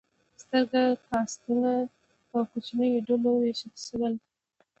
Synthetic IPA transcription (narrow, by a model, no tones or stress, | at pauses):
st̪əɾɡaxɑst̪una | pəkot͡ʃnəjoɖoloweʃalʃəwəl